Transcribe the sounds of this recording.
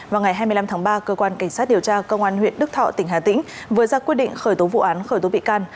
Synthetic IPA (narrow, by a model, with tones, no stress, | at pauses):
vaː˨˩wŋa˨˩jɦaː˧jmɨ˧la˧mt̪ʰaː˨˦ŋɓaː˧kəː˧kwaː˧nka˧˩jŋ̟saː˦˥t̚ɗi˨˩əwt͡ɕaː˧kə˧wŋ͡mʔaː˧nhwḭ˧˨ənɗɨ˦˥k̚t̪ʰɔ̰˧˨t̪ï˧˩ŋ̟ɦaː˨˩t̪ï˧˥ŋ̟ | vɨ˨˦zaː˧kwi˦˥ət̚ɗḭ˧˨ŋ̟xəː˧˩jt̪o˨˦vṵ˧˨ʔaː˨˦nxəː˧˩jt̪o˨˦ɓḭ˧˨kaː˧n